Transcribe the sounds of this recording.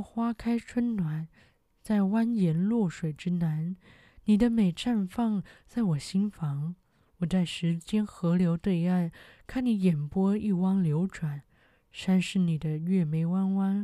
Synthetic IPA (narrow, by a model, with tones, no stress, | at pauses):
xwa˥kʰa˥ɪʈ͡ʂʰwə˥nnwa˨˩˦n | t͡sa˥˩ɪwa˥njɛ˧˥nlwɔ˥˩ʂwe˨˩ɪʈ͡ʂɻ̩˥na˧˥n | ni˨˩d̪ə˦me˨˩ɪʈ͡ʂʰa˥˧nfɑ˥˧˩ŋt͡sa˥˩ɪwɔ˨˩ɕi˥nfɑ˧˥ŋ | wɔ˨˩t͡sa˥˩ɪʂɻ̩˧˥t͡ɕjɛ˥nxɤ˧˥ljo˧˥ʊt̪we˥˧ɪa˥˩nkʰa˥˩nni˧˥jɛ˨˩npwɔ˥i˥˩wɑ˥ŋljo˧˥ʊʈ͡ʂwa˨˩˦n | ʂa˥nʂɻ̩˥˩ni˨˩d̪ə˦ɥɛ˥˩me˧˥ɪwa˥nwa˥n